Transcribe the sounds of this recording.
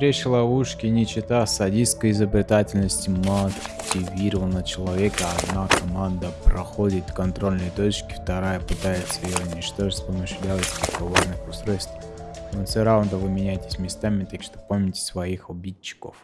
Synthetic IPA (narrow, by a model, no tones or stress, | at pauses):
t̪ɾʲet͡ɕlˠɐvuʂkʲɪnʲɪt͡ɕɪt̪asɐdʲiskəjɪzəbɾʲɪt̪atʲɪlʲnəsʲtʲɪməɐtʲːɪvʲiɾəvənət͡ɕɪlˠɐvʲekəɐd̪nakɐmand̪əpɾɐxodʲɪt̪kɐnt̪ɾo̞lʲnəjt̪o̞t͡ɕkʲɪ̥ft̪ɐɾajəpɨt̪ajɪt̪səɪjoʊnʲɪt͡ɕt̪oʐɨtʲspəmɨɕlʲalˠətʲsʲpɪkɐvornɨxʊst̪ɾo̞jst̪vonfsʲoɾavnd̪əvɨmʲɪnʲæjtʲɪ̥sʲmʲɪst̪amʲɪt̪akʂt̪opomʲnʲɪtʲɪ̥svɐixʊbʲit͡ɕːɪ̥ko̰f